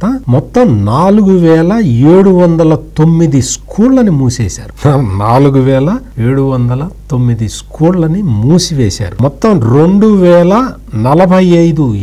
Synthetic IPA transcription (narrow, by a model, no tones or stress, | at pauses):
t̪ɐmɔt̪ːɐmnaːluɡuʋɛːlɐeːɽuʋɐnd̪ɐlɐt̪omːid̪iskʰuːɾlɐnimuːsɛ̰ːsa̰ːɾunaːluɡuʋɛːlɐeːɽuʋɐnd̪ɐlɐt̪omːid̪iskuːɾlɐnimuːsiʋɛːsa̰ːɾumɔt̪ːɐmɾeɳɖuʋɛːlɐ | nɐlɐbʱɐjɐjd̪u